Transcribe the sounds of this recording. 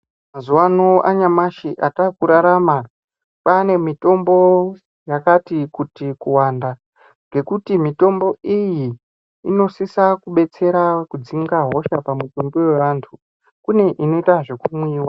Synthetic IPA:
mazuwanoʔaɲamaʃiʔatakuɾaɾama | pane̞mito̞mbo̞ | jakatikutikuwaːnda | ŋɡe̞kutimito̞mbo̞ijiː | no̞sisakuɓe̞t͡se̞ɾakud͡ziŋɡaɦo̞ʃapamutombowe̞ʋantʰu | kune̞ʔino̞itaʐe̞kumwiːwa

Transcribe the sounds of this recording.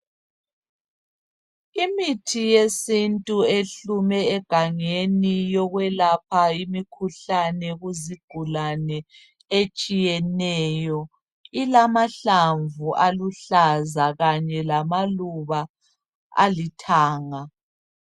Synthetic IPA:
imitʰijesintʼueɬumɛɛɡ̥ʱaŋenijɔɣwɛlap̚ʰaimikʰuɬanɛɣuziɡ̥ʱulanɛ | et͡ʃʼijɛnɛjɔ | ilamaɬaɱvuʔaluɬazaɣaɲɛlamaluβa | a̰litʰaːŋa

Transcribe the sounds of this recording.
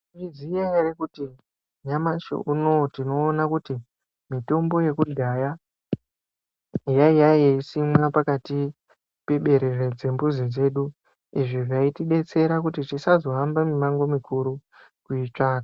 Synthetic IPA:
rizijaeɾekuti | ɲamat͡ʃḛʔuno̞tino̞ːnakuti | mito̞mbo̞je̞kudʱaja | jaijajeisimwapakati | pe̞ɓe̞ɾered͡zembuzid͡ze̞ːɗu | iʐiʐaitiɗe̞t͡se̞ɾakutit͡ʃisazo̞ɦambamimaŋɡo̞mikʰuɾu | kuit͡ʂaːka

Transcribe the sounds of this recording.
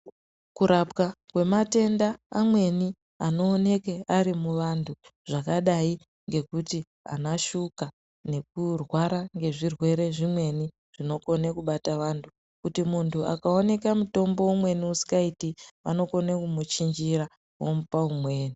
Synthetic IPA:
kuɾapkakwe̞mate̞ndaːmwe̞ni | ano̞ːne̞keaɾimuʋantʰuʐ̥akaɗai | ŋɡe̞kuti | a̰naʃuka | ne̞k̚urwaɾaŋɡe̞ʐirwe̞ɾe̞ʐimwe̞ni | ʐ̥ino̞ko̞nekuɓataʋantʰu | kutimuntʰua̰kao̞ne̞kamuto̞mbo̞umwe̞niusi̥kaitiʋa̰no̞ko̞nekumut͡ʃiɲd͡ʒiɾa | wo̰mupaumwe̞ːni

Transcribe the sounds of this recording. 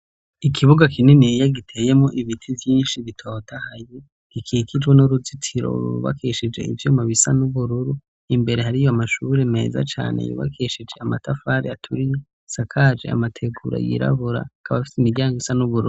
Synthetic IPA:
ikʰiβuɡakʰininijaɡitʰe̞ːje̞mŋo̞ʔiβitʰivjiːnʃiβitʰo̞ːtʰahaji | ɡ̥ikʰiːkid͡ʒɡwenuɾuzitʰiɾo̞̰ɾṵɾṵβa̰kʰeʃid͡ʒe̞̰ḭvjumaβisanuβuɾuɾu | imbe̞ɾehaɾijoamaʃuɾe̞me̞̰ːza̰t͡ʃa̰ːnḛjṵβa̰kʰeʃid͡ʒe̞amatʰafaːɾeatʰuɾije | sakʰad͡ʒe̞̰a̰matʰe̞ɡuɾa̰jḭɾa̰βuɾa̰kʰaβafi̥simiɾɟaːŋɡoisanuβuɾṵɾu

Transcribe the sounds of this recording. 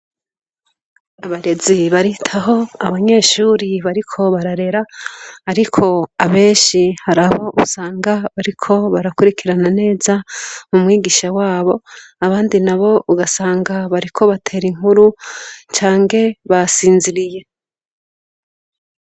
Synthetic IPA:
aβaɾe̞ziβaɾitʰaɦo̞a̰βaɲe̞ːʃuːɾiβaɾikʰo̞βaɾaɾe̞ɾahaɾikʰo̞aβe̞ːnʃihaɾaβoʔusaːŋɡaβaɾikʰo̞βaɾakuɾikiɾanane̞ːzamumŋiːɡiʃawaːβo̞aβaːndinaβo̞ʔuɡasaːŋɡaβaɾikʰo̞βatʰe̞ːɾiŋuɾut͡ʃaːŋɡe̞βasiːnziɾije̞

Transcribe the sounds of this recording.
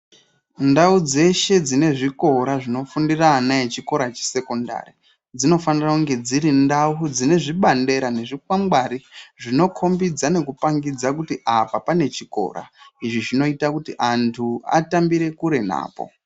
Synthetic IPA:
ndaud͡ze̞ʃe̞d͡zine̞ʐiko̞ɾaʐino̞fundiranajet͡ʃiko̞ɾat͡ʃe̥se̞ko̞nda̰ri | d͡zino̞fanirakuŋɡe̞d͡ziɾindaud͡zine̞ʐiɓande̞ɾane̞ʐik̚wamɡaɾiʐino̞kʰo̞mbid͡zane̞kupaŋɡid͡zakutiʔapapane̞t͡ʃiko̞̰ɾa̰iʐiʐino̞itakutiʔantʰua̰tambiɾe̞kuɾe̞na̰ːpo̞̰

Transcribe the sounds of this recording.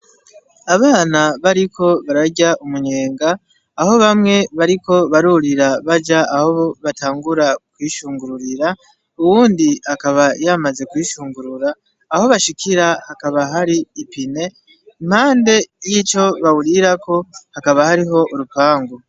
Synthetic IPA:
aβaːnaβaɾikʰo̞βaɾaɟaʔumuɲe̞ːŋɡaː | ho̞βamŋe̞βaɾiko̞βaɾuɾiɾaβad͡ʒaaho̞βoβatʰaːŋɡuɾakwiːʃuːŋɡuɾuɾiɾa | uwuːndihakaβajamaze̞kwiːʃuːŋɡuɾuɾaː | ho̞βaʃikʰiɾahakaβaɦaɾiːpine̞ | im̥haːnde̞jit͡ʃo̞βawuɾiɾakʰo̞hakaβahaɾiɦo̞ʔuɾupaːŋɡo

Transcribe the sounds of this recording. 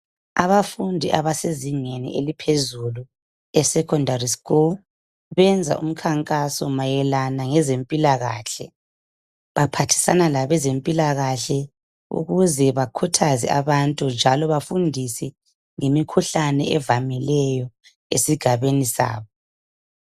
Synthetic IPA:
a̰βafundʱiʔa̰βaseziŋenḭʔelipʰezulu | ɛsɛkʰɔndariskul | βɛnd͡zʱa̰ʔum̩kʰaŋkʼasɔmajɛlanaŋɛzempʼilaɣa̰ːɬɛ̰ | βapʰatʰi̥sanalaβɛzempʼilaɣaɬɛ | ṵɣuzɛβakʰutʰazɛ̰aβantʼund͡ʒʱalɔβafundʱisɛ | ŋemikʰuɬanɛ̰ʔɛvamɛlɛjɔ | ḛsiɡ̥ʱaβenisa̰ːβɔ

